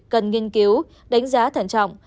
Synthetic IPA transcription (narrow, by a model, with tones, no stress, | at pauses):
kə˨˩nŋi˧ŋki˨˦w | ɗa˨˦jŋ̟zaː˨˦t̪ʰa˧˩nt͡ɕɔ̰˧˨wŋ͡m